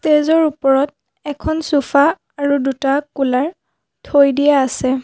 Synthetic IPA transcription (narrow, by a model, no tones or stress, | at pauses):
tezɔɹupɔɹɔt̚ | ɛkʰɔnsufʰaː | ɹudutakulaɹ | tʰojdijaːsɛ